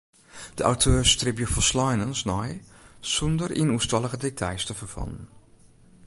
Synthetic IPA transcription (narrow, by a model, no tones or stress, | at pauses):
d̥əʔa̰wtʰøːɹstrɪpjəfɔslɔjnənsnɔjsɔndəɹʔinustɑlˠəɣədetʰajstəfəɹfɑ̰lən